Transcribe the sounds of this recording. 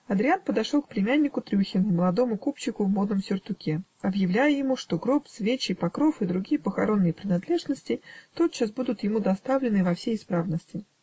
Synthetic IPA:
ɐd̪ɾʲɪanpəd̪ɐʂolk̚plʲɪmʲænʲːɪkʊt̪ɾʲuxʲɪnməlˠɐd̪o̞mʊkupt͡ɕːɪkʊvmo̞d̪̚nəmsʲɪrt̪ʊkʲeɐbjɪvlʲæjəjɪmuʂt̪o̞ɡɾopsvʲet͡ɕɪpɐkɾo̞fɨd̪ɾʊɡʲijəpəxɐ̰ɾo̞nːɨjəpɾʲɪnɐd̪lʲe̞ʐnəsʲtʲɪt̪ot̪̚t͡ɕːasbud̪ʊt̪jɪmud̪ɐst̪avlʲɪnɨvɐfsʲejɪspɾavnəsʲtʲɪ

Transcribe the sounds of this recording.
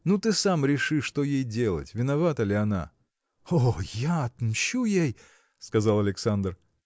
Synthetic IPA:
nut̪ɨsamɾʲɪʂɨʂt̪o̞jejdʲe̞lˠə̰tʲvʲɪnɐvat̪əlʲɪɐna̰ | ojaɐt̪mɕujej | skɐzalˠɐlʲɪksand̪r

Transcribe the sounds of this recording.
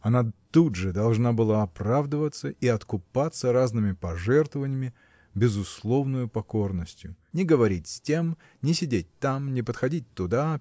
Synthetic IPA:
ɐnat̪udʐɨd̪ɐlˠʐnabɨlˠaɐpravd̪əvət̪səiɐt̪kʊpat̪sːəɾaznɨmʲɪpɐʐɛrt̪vəvənʲɪjɪmʲɪ | bʲɪzʊslˠo̞vnʊjʊpɐkornəsʲtʲjʊ | nʲɪɡəvɐɾʲitʲsʲtʲe̞m | nʲɪsʲɪdʲet̚ʲt̪amnʲɪpət̪xɐdʲit̚ʲt̪ʊd̪a

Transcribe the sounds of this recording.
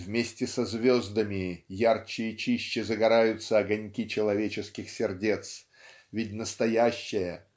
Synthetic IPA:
vmʲesʲtʲɪsɐzvʲozd̪əmʲɪjart͡ɕɪjɪt͡ɕiɕːɪzəɡɐɾajʊt̪səɐɡɐnʲkʲit͡ɕɪlˠɐvʲet͡ɕɪskʲɪxsʲɪrdʲe̞t̪s | vʲɪtʲnəst̪ɐjæɕːɪjə

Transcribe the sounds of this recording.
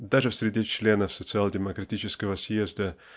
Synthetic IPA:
d̪aʐɨfsʲɾʲɪdʲet͡ɕlʲe̞nəfsət̪sɨalˠdʲɪməkɾɐtʲit͡ɕɪskəvəsjezd̪ə

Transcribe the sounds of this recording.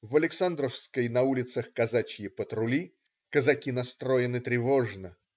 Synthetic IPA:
vɐlʲɪksand̪ɾəfskəjnɐulʲɪt̪səxkɐzat͡ɕjɪpət̪ɾʊlʲi | kəzɐkʲinɐst̪ɾo̞jɪnɨt̪ɾʲɪvo̞ʐnə

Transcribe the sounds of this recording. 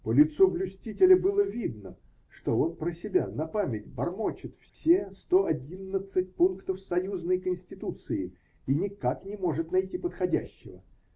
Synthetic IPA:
pəlʲɪt̪sublʲʊsʲtʲitʲɪlʲəbɨlˠəvʲid̪nə | ʂt̪oo̞npɾəsʲɪbʲa̰nɐpamʲɪt̚ʲbɐrmot͡ɕɪt̪ffsʲest̪o̞ɐdʲinːət̪sɨt̚ʲpunkt̪əfsɐjuznəjkənʲsʲtʲɪt̪ut̪sɨɪ | inʲɪkaknʲɪmo̞ʐɨt̪nɐjtʲipət̪xɐdʲæɕːɪ̰və̰

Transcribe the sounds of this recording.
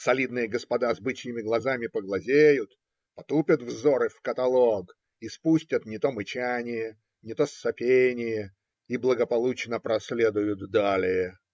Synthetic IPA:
sɐlʲid̪nɨjəɡəspɐd̪azbɨt͡ɕjʲɪmʲɪɡlˠɐzamʲɪpəɡlˠɐzʲejʊt̪ | pɐt̪upʲət̪vzoɾɨfkət̪ɐlˠoɡ | ispusʲtʲət̪nʲɪt̪o̞mɨt͡ɕanʲɪjə | nʲɪt̪o̞sːɐpʲenʲɪjə | iblˠəɡəpɐlˠut͡ɕnəpɾɐsʲlʲed̪ʊjʊt̪d̪alʲɪjə

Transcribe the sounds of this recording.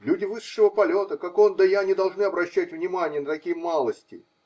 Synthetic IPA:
lʲudʲɪvɨʂːəvəpɐlʲo̞t̪əkakond̪əjanʲɪd̪ɐlˠʐnɨɐbɾɐɕːætʲvnʲɪmanʲɪjənət̪ɐkʲijəmalˠəsʲtʲɪ̰

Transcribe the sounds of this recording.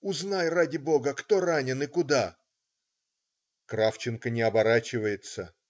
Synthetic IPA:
ʊznajradʲɪbo̞ɡəkt̪o̞ranʲɪnɨkʊd̪a | kɾaft͡ɕɪnkənʲɪɐbɐɾat͡ɕɪvəjɪt̪sə

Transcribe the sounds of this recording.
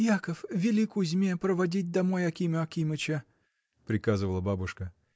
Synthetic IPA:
jakəfvʲɪlʲikʊzʲmʲepɾəvɐdʲit̚ʲd̪ɐmojɐkʲimʲɪɐkʲimɨt͡ɕɐ | pɾʲɪkazɨvəlˠəbabʊʂkə

